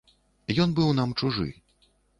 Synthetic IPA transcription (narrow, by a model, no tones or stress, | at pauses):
jɔnbɨwnamt͡ʂuʐɨ̰